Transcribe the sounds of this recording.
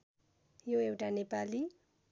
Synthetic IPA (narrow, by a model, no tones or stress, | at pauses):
joewʈanepali